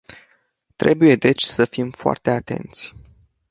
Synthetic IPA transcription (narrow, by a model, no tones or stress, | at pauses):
t̪ɾe̞buje̞d̪e̞t͡ʃʲsəfimfoa̰rt̪e̞at̪e̞̰nt̪sʲ